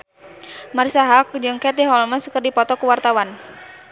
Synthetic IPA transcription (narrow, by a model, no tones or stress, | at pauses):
maɾisaɦak̚d͡ʒɨŋkɛt̪iɦɔlməsəkərdipɔt̪ɔkəwart̪awan